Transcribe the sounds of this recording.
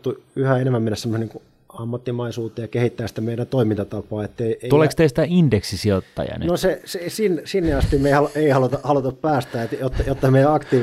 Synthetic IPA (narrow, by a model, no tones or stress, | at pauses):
t̪ːuyhæenemːæmenːæsemoseniːŋku | ɑmːɑt̪ːimɑisuːt̪ˑːejɑkehit̪ːæːsi̥t̪æmeiɾænt̪oimint̪ɑt̪ɑpˑɑːet̪ːeieolekst̪esi̥t̪æindeksisiot̪ːɑ̰jɑ̰nḛnosesesinsinːeɑst̪imeihɑlueihɑlut̪ɑhɑlut̪ɑppæːst̪æːt̪jot̪ːɑjot̪ːɑmejæɑkt̪iː